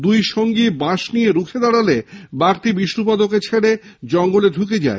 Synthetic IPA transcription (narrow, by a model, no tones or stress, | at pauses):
d̪ujʃoŋɡibaʃnijeɾukʰed̪aɽalebaɡʈ̪ibiʃɾup̬ad̪ok̬et͡ɕʰeɽed͡ʑɔŋɡoledʱuked͡ʑa̰ḛ